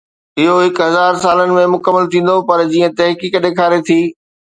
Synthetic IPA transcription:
ɪɦoɦɪkɦɐzaːɾsaːlənɪ̆mẽmʊkəmːəlt̪ʰĩːn̆d̪opɐɾd͡ʑiːə̃t̪ɐɦkiːkɗeːkʰaːɾet̪ʰiː

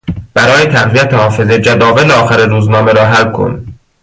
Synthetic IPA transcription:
b̥æɾɒːjet̪ʰæɣvijæt̪ʰehɒːfe̞zed͡ʒæd̪ɒːveleɒːxæɾiɾuːznɒːmeɾɒːɦælkʰo̰n

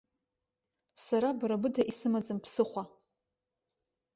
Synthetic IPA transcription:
saɾabɾabɨdaʔisɨmad͡zɨmpʰsɨχʷa

